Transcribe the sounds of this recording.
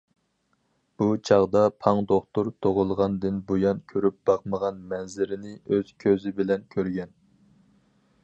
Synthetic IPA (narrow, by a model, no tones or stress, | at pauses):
b̥ut͡ʃʰɑʁd̪ɑpʰɑŋd̪oχt̪uɾt̪ʰoʁʊlˠʁɑnd̪ɨnbojɑnkʲʰøɾyp̚b̥ɑqməʁɑnmɛnzɪɾɪnɪøz̥kʲʰøzɪbɪlɛnkʲʰøɾɡʲɛn